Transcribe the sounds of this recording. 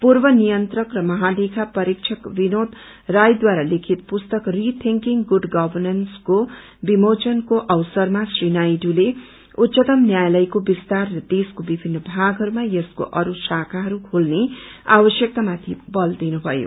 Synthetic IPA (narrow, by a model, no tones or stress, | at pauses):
purbʌnijʌnt̪rʌkrʌmʌɦalekʰapʌɾikt͡ʃʰʌkbinod̪ | rajd̪waɾalekʰit̪̚pust̪ʌkrit̪ʰiŋkiŋɡuɖɡʌbʱʌrnʌnsko | bimot͡sʌnkoʔʌwsʌrmasrinajɖule | ut̪ːsʌt̪ʌmnjajlʌjkobist̪arːʌd̪eskobibʱinːʌbʱaɡɦʌɾumajʌsko̰ʔʌɾusakʰaɦʌɾukʰolneabʌsjʌk̚t̪amat̪ʰibʌld̪inubʱʌjo̰